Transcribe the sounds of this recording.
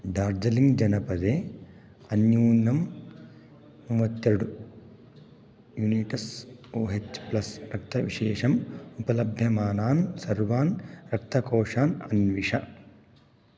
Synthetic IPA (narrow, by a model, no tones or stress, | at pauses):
ɖaːɾd͡ʒɐliŋɡd͡ʒɐnɐpɐd̪eː | ɐnjuːnɐm | ʋɐt̪jɐɽu | juːniʈɐsoːɦet͡ʃplɐsɾɐk̚t̪ɐʋiʃɛːʂɐmupɐlɐbʱjɐmaːnaːnsɐɾʋaːnɾɐk̚t̪ɐkɔːʂaːnɐnʋiʂɐ